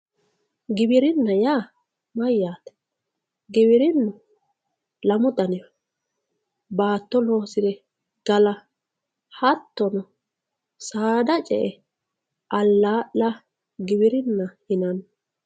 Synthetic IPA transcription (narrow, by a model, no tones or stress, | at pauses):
ɡɪbɪɾɪnːɐjaː | mɐjːaːt̪ɛ̥ | ɡɪbɪɾɪnːʊ | lɐmʊd̪ɐnɛ | baːt̪ːɔloːsɪɾɛ | ɡ̥ɐlɐ | hɐt̪ːɔnɔ | saːd̪ɐt͡ʃʼɛ̰ʔɛ | ʔɐlːaːʔlɐ | ɡɪbɪɾɪnːɐhɪnɐn